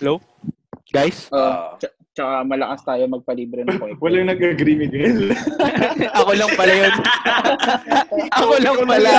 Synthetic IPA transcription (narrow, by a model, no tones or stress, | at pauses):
hɛlow | ɡ̥ajsʔoʔt͡ʃɐ | t͡ʃɐkamɐlɐkɐst̪aːjomɐɡ̚pɐliːbɾɛnojwɐlɐŋnɐɡɐɡɾiːmɪɡajs | ʔɐkolɐŋpɐlɐjon | ʔɐkolɐŋpɐla